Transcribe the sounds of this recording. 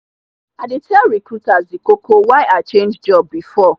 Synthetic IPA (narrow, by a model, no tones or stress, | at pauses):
adɪtʰɛlɹikɹutazikokowaɪaɪt͡ʃẽnd͡ʒd͡ʒɔb̚ːifɔ